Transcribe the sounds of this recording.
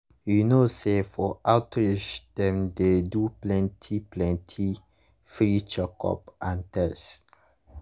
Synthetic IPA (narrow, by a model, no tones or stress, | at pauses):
junosefɔʔawtɹit͡ʃd̥ɛ̃mdeduplɛ̃ntʰiplɛ̃ntʰi | fɹit͡ʃəkʰɔ̰pãntɛs